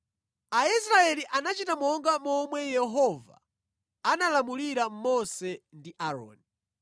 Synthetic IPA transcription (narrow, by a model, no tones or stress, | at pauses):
aisɾaɛliʔanat͡ʃitamɔŋɡamɔmwɛjɛɦɔva̰ | analamuliɾam̩mɔsɛndiʔaɾɔ̰ːni